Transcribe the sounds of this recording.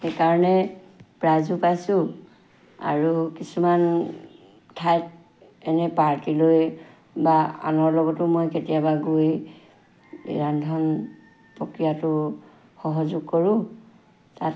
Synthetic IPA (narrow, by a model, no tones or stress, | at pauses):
xekaɹɔnɛ | pɹazupajsʊ̃ | a̰ɹukisuman | tʰajt | ɛnɛpaɹtiloj | baa̰nɔɹlɔɡɔtʊmojketijabaɡoj | ɹandʱɔn | pɹɔkɹijatʊ | xɔɦɔzʊɡ̚kɔɹʊ̃ | tat